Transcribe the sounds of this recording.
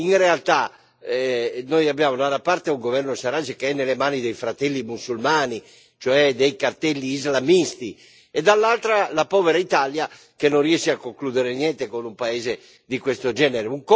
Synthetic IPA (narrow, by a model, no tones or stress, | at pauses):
inrealt̪a | nojabːjaːmonanapaɾt̪euŋɡovɛrnosaɾad͡ʒekeɛnːelemaːnid̪ejfɾat̪ɛlːimusulmaːni | t͡ʃoɛd̪ejkart̪ɛlːiːzlamist̪i | ɛd̪alːalt̪ɾalapɔːveɾait̪alja | kenːõnriɛsːiakːoŋkluːd̪eɾenjɛnt̪ekonumpaeːze | d̪ikwest̪od͡ʒɛːneɾeuŋk